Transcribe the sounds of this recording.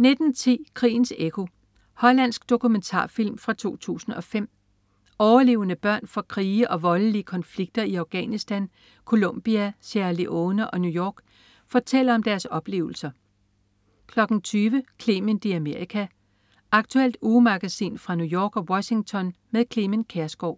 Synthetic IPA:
ned̥n̩t͡sʰḭːkʰʁḭːn̩sekʰo̝ | hɒ̽læn̰sɡ̥d̥o̝kument͡sʰɑ̰̈ːfil̰mfʁɑ̈t͡sʰo̝̰ːt͡sʰṵːsn̩ɒ̽fem̰ | ɒʊɐle̝̰ːʊnəb̥ɶɐ̰nfɒ̽kʰʁiːʔɒ̽ʋɒ̽ləliəkʰɒ̽nfliɡ̥̚d̥ɐiɑ̈ʊɡ̥ɛnisd̥æn | kʰo̝lom̰b̥iæsæɐliʔoːnəʔɒ̽nujɒ̰ːɡ̥ | fɒːt͡sʰel̰ɐɒ̽md̥æɐsɒ̽b̥le̝̰ːʊl̩sɐ | kʰlɒ̽ɡ̥n̩t͡sʰyːʋəkʰliːmend̥iæme̝ɐ̰ʁikʰæ | ɑ̈ɡ̥t͡sʰuel̰d̥uːmɑ̈ɡ̥æsḭːnfʁɑ̈nujɒ̰ːɡ̥ɒ̽wɒ̽ɕiŋt͡sʰɒ̽nmeðˠkʰlimənkʰeɐsɡ̥ɒʊ̰

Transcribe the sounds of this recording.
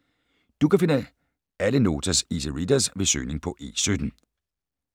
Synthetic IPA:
d̥ukæfe̝nə | æləno̝ːt͡sʰæsisəʁid̥ɐsʋe̝sø̰ːne̝ŋpʰɒ̽ʔe̝̰ːsød̥n̩

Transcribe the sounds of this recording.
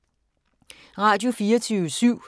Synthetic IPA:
ʁɑ̈ːd̥jo̝fiːɐt͡sʰyːəsyʊ̰

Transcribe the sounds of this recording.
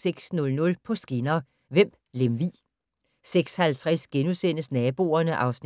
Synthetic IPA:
seɡ̥snɔ̽lnɔ̽lpʰɒ̽sɡ̥inɐ | ʋem̰b̥lemʋḭː | seɡ̥shælt͡sʰʁɛsɡ̥enusen̰əsnɛːb̥o̝̰ːɐnəʔɑ̈ʊsn

